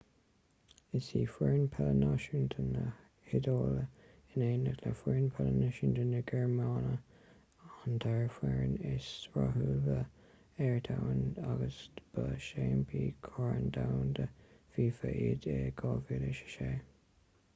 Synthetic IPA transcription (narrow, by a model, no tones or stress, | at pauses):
ɪsiːfwɛɹnpʰɛlənaʃənt̪ʰənə | hɪdoːlə | ɪneːnəkləfɛɹnpʰɛlənɪʃənt̪ʰənəɡɛɹmɑːnə | and̪ʰaɹfwɛɹnɪsɹa̰ɦuvə | ɛɹt̪ʰawənaɡəsb̥əʃeːnbʰiːkʰɔːɹənd̪awnd̪əfiːfəʔiːd̪eɡɑːvilɪʃə̥ʃeː